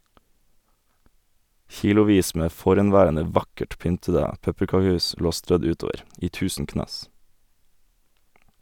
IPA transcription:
ˈçiːlʊˌʋiːs ˈmeː ˈfɔɾɛnˌʋæːɾənə ˈʋɑkəʈ ˈpʏntədə ˈpɛpəkɑˌkʉːs ˈloː ˈstɾœd ˈʉːˌtoːʋəɾ ˈiː ˈtʉːsn̩ ˈknɑːs

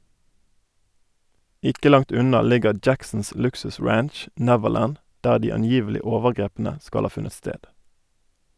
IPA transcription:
ˈɪkə ˈlɑŋt ˈʉnɑ ˈlɪɡəʁ ˈd͡ʒæksn̩s ˈlʉksʉˌsʁænʃ ˈnɛʋəˌlæn ˈdæː ˈdiː ɑnˈjiːʋəlɪ ˈoːʋəʁˌɡʁeːpnə ˈskɑl ˈhɑː ˈfʉnət ˈsteːd

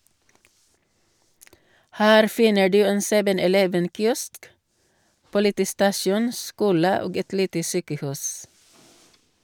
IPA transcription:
ˈhæːɾ ˈfɪnə ˈɖʉː ˈeːn ˈsɛʋən ɛˈlɛʋən ˈkjɔsk ˈpʊlɪtiːˌstɑsjuːn ˈskuːlə ˈoːɡ ˈɛt ˈliːtə ˈsyːkəˌhʉːs

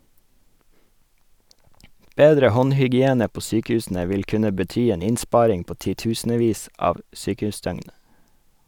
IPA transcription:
ˈbeːdɾə ˈhɔnhʏɡɪˌeːnə ˈpoː ˈsyːkəˌʉːsn̩ə ˈʋɪl ˈkʉnə bəˈtyː ˈeːn ˈɪnˌspɑːɾɪŋ ˈpoː ˌtiːˈtʉːsn̩əˌʋiːs ˈɑːʋ ə ˈsyːkəˌʉːˌsdœŋn

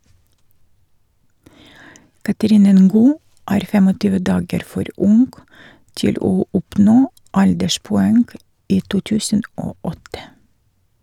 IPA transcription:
kɑtəˈɾiːnə ˈŋɡuː ˈæːɾ ˈfeːm ˈoː ˈtʏʋə ˈdɑːɡəɾ ˈfɔɾ ˈʔʊŋɡ ˈtɪl ˈoː ˈʔʊpnoː ˈɑʎdəʃpʊˌæŋɡ ˈiː ˈtuː ˈtʉːsn̩ ˈʔoː ˈʔɔtə

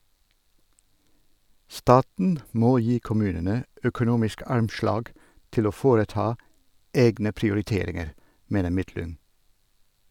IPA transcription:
ˈstɑːtn̩ ˈmoː ˈjiː kʊˈmʉːnənə œkʊˈnuːmɪsk ˈɑɾmˌʃlɑːɡ ˈtɪl ˈoː ˈfoːɾəˌtɑː ˈeːɡnə pɾɪʊɾɪˈteːɾɪŋəɾ ˈmeːnə ˈmɪtlʏŋ

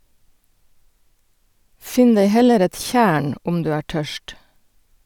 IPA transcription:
ˈfɪn ˈdeɪ ˈhɛləɾ ˈɛt ˈçæːɳ ˈʊm ˈdʉː ˈæː ˈʈœʃt

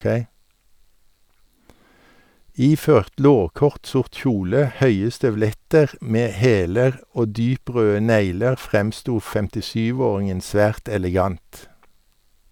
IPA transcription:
ˈiːføːʁt ˈloːʁkɔʁt ˈsʊʁt ˈçuːlə ˈhœʏə stœʋˈlɛtəʁ ˈmeː ˈheːləʁ ˈoː ˈdyːˌpʁøːə ˈneɪləʁ ˈfʁɛmˌstuː fɛmtɪˈsyːˌʋoːʁɪŋən ˈsʋæːʁt ɛlɛˈɡɑnt

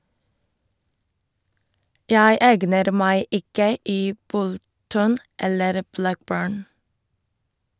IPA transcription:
ˈjæɪ ˈeːɡnəɾ ˈmæɪ ˈɪkə ˈiː ˈbʊlˌtɔn ˈɛləɾ ˈblækˌbøːɳ

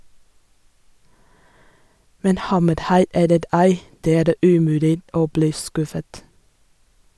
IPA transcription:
ˈmɛn ˈhɑməɾˌhɑɪ ˈɛləɾ ˈæɪ ˈdeː ˈæːɾ ˈʉːˌmʉːlɪ ˈoː ˈbliː ˈskʉfət

